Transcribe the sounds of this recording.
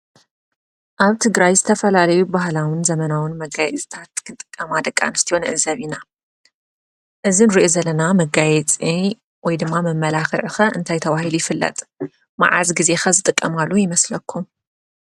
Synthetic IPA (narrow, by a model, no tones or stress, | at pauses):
ʔaβt̪ʰɨɡɾajzɨt̪ʰɐfɐlalɐjubahlawɨnzɐmɐnawɨnmɐɡajɛt͡sʼt̪ʰat̪kʰɨnt̪ʼɨ̥kʼːɐmad̪ɐkʼːa̰nɨst̪ʰionɨʔɨzɐβina | ʔɨzinɨɾiʔozɐlɐnamɐɡajɛt͡sʼi | wɔjd̪ɨmːamɨmːɐlaxɨʕɨxɐʔɨ̰nt̪ʰajt̪ʰɐβahilujɪfɨlːɐ̰t̪ʼ | ma̰ʕa̰zɡize̞xɐzɨt̪ʼɨkʼːɐmalːujɪmɐslɐkʰːum